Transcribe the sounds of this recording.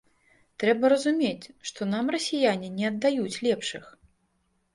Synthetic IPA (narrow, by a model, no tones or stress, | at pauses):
t̪ɾɛbɐɾɐzumʲet͡sʲʂt̪ɔnamrɐsʲijanʲinʲɛɐd̪ːajut͡sʲlʲɛpʂɨx